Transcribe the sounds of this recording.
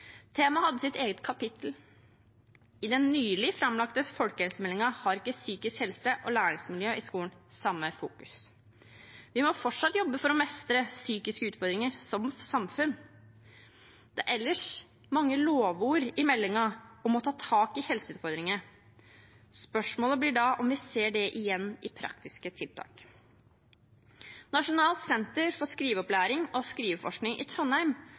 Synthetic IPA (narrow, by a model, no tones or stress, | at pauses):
t̪ʰeːmɑhɑd̪ːəsɪt̪eːɡət̪kʰɑpɪt̪ʰl̩ | ɪd̪ɛnːyːlɪfɾɑmlɑkt̪əfɔlkəhɛlsəmɛlːɪŋɑhɑɾɪkːəsyːkɪskhɛlsəʔɔlæːɾɪŋsmɪljøːʔɪskuːlənsɑmːəfṵːkʉ̥s | ʋɪmɔfɔʈʂɑt̪ːjɔbːəfɔɾɔmɛst̪ɾəsyːkɪskəʉːt̪fɔɾd̪ɾɪŋəɾsɔmsɑmfʉn | d̪̥ɛæɾʔɛlːəʂ | mɑŋːəloːʋuːɾɪmɛlːɪŋɑɔmɔt̪ʰɑːt̪ʰɑːkɪhɛlsəʉːt̪fɔɾd̪ɾɪŋə | spœʂmoːləblɪɖɑʔɔmʋɪseːɖɛʔɪjɛnːɪpʰɾɑ̰kt̪ɪskət̪ʰɪlt̪ʰɑ̰ːk | nɑʂʊnɑːlt̪sɛnt̪əɾfɔʂkɾiːʋəɔplæːɾɪŋɔskɾiːʋəfɔʂknɪŋʔɪ̰t̪ʰɾɔnhæɾm